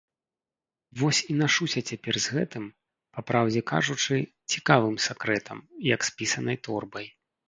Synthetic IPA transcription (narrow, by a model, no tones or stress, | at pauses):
vɔsʲinaʂusʲɐt͡sʲapʲɛrzɣɛt̪ɨm | papɾʔawd͡zʲɛka̰ʐut͡ʂɨ | t͡sʲikavɨmsʲakɾɛt̪ʰɐmjɐkspʲisɐnɐjt̪ɔrbɐj